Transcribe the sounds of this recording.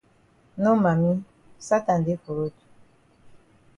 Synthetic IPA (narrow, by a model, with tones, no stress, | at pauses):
no˦ma˨mi˦ | sa˦ta˨n˨de˦ko˨ɾo˦tu̥˨